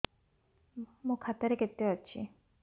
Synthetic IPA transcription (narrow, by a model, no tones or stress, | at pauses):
mukʰat̪ːaɾeket̪ːeɦatːɕʰi